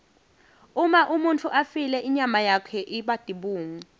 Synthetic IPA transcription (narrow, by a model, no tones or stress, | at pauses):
umaʔumuntʰuʔafilɛʔiɲamajakʰɛʔiɓad̥ʱiɓuːŋu